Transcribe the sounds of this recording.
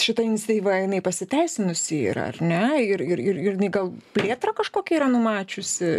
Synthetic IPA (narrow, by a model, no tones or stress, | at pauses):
ʃʲɪt̪ɐɪnʲsʲt̪ʲiːʋɐɪnɐɪpɐsʲɪt̪ʲɛɪsʲɪnʊsʲɪɪ̰ɾɐ̰rnʲɛɪɾɪɾɪɾɪɾjɪnɐɪɡɐlˠpʲlʲeːt̪ɾɐkɐʃkoːkʲɛiːɾɐnʊmɑːt͡ʃʲʊsʲɪ